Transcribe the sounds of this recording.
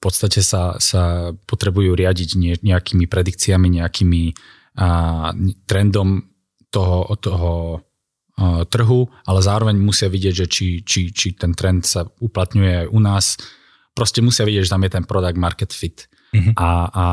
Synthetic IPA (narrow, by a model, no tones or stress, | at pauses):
fpɔt̪st̪acɛsasapɔt̪ɾɛbujuːɾɪaɟiɟɲɛɲɛakiːmipɾɛd̪ik̚t͡siamiɲɛakiːmi | t̪ɾɛnd̪ɔm | t̪ɔɦɔt̪ɔɦɔ | t̪r̩ɦuʔalɛzaːɾɔʋɛɲmusɪaʋiɟɪɛɟʒɛt͡ʃit͡ʃit͡ʃit̪ɛnt̪ɾɛnt̪sauplat̪ɲujɛajʔunaːs | pɾɔscɛmusɪaʋiɟɪɛɟʒɛt̪amjɛt̪ɛnpɾɔd̪aɡ̚maɾkɛt̪fit̪ | ʔa